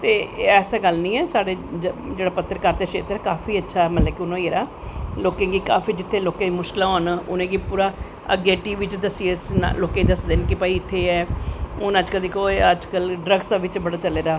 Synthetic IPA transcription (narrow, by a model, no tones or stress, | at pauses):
t̪eːɛːsaːɡəlnĩːɛːsaːɽeːd͡ʒeːɽaːpət̪ːəɾkəɾt̪əʃḛːt̪ɾɛkaːfiːətːʃʰaːɛːmət̪ləbkɪʊnõːieːɾaː | loːkẽːɡiːka̰ːfiːd͡ʒɪt̪ʰːeːloːkãimʊʃkɪlãɦoːnʊ̰nẽːɡiːpuːɾaː | ə̰ɡeːʈiːʋɪt͡ʃd̪əsiːsnloːkẽːd̪əsd̪eːnkɪpəːiːɪt̪ʰːeːɛːʊnəd͡ʒkəld̪iːkoːeəd͡ʒkəlɖɾəɡsaːʋɪt͡ʃbəɽaːt͡ʃəleːɾaː